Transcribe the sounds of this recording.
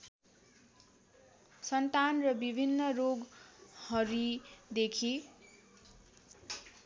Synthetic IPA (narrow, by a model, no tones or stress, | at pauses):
sʌnt̪anrʌbibʱinːʌroɡhʌɾid̪ekʰi